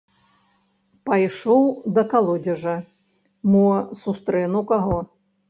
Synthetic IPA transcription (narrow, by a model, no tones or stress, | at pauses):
pajʂɔwd̪ɐkalˠɔd͡zʲɐʐɐ | mɔsust̪ɾɛnukaɣɔ